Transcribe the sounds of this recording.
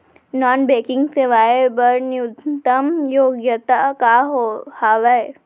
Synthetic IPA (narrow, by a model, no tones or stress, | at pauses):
nɔːnbeːkɪ̃ŋɡseʋaːebɐɾnjʊt̪ɐmjoːɡjət̪akaːɦohaːʋɐe